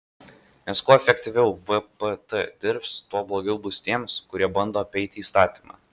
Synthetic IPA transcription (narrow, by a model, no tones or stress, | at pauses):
nʲɛskuɔɛfʲɛkʲt̪ʲɪʋʲɛʊʋəpət̪əd̪ʲɪɾpst̪uɔblˠoːɡʲɛʊbʊsʲt̪ʲiɛmskʊɾʲiɛbɐnd̪oːɐpʲɛɪt̪ʲɪːst̪ɑːt̪ʲiːmɑ̰ː